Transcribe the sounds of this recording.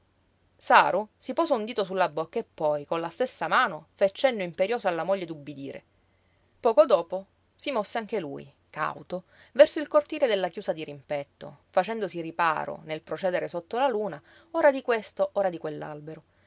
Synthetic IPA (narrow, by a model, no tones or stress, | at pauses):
saːɾusipɔːsound̪iːt̪osulːabokːaepːɔjkonlast̪esːamaːnofet͡ʃːɛnːoimpeɾjoːsoalːamoʎːed̪ubːid̪ḭːɾḛ | pɔːkod̪oːpo | simɔsːeaŋk̟elṵːj̰ | ka̰wt̪o | vɛrsoilkort̪iːled̪elːakjuːsad̪iɾimpɛt̪ːo̰fat͡ʃɛnd̪osiripa̰ːɾo̰nelpɾot͡ʃɛːd̪eɾesot̪ːolaluːna | oːɾad̪ikwest̪oʔoːɾad̪ikwelːa̰lbeɾo